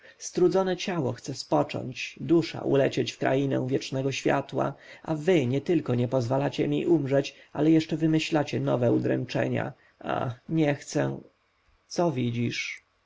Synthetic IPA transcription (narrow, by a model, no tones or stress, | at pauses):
st̪ɾud̪zɔnɛt͡ɕawɔxt̪sɛspɔt͡ʂɔ̰ɲt͡ɕd̪uʂa̰ʔṵlɛt͡ɕet͡ɕfkɾa̰inɛ̰̃w̃vʲjɛt͡ʂnɛɡɔɕfʲja̰t̪wa̰avɘɲɛt̪ɘlkɔɲɛpɔzvalat͡ɕɛmʲḭʔumʐɛt͡ɕ | a̰lɛjɛʂt͡ʂɛvɘmɘɕlat͡ɕɛnɔvɛud̪ɾɛ̰nt͡ʂɛ̰ɲa̰ | a̰xɲɛxt̪sɛ | t̪sɔvʲid͡ʑiʂ